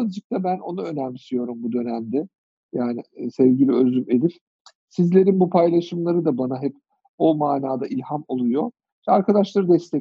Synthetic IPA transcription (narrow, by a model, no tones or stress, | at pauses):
lˠd͡ʒɯk̚t̪ʰabæno̞naø̞næmisijo̞ɾumbud̪ø̞næmd̪ɛ | jaːnɪsɛvɟilʲiø̞zyme̞d̪iɾ | sizlʲe̞ɾinbupʰajlˠaʃɯmlˠaɾɯd̪abanaɦɛp | o̞maːnaːd̪aʔilʲhamo̞lˠujo̞ | vɛaɾkad̪aʃlˠaɾɯd̪ɛst̪ʰɛ